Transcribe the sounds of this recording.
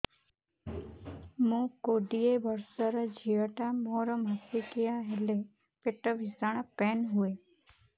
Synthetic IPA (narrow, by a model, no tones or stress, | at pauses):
mũkoɖiebəɾsəɾad͡ʒʱiəʈamoɾəmɦət̪ʰikijaɦele | peʈːəʋʱisaɳ̃apɛnɦue